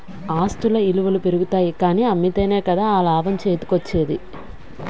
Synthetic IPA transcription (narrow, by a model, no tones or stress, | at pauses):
aːst̪ulɐiluʋɐlupeɾuɡut̪aːjikaːniːɐmːit̪e̞ːne̞ːkɐd̪aːaːlaːʋɐmt͡ʃeːt̪u̥kɐt͡ʃːe̞ːd̪i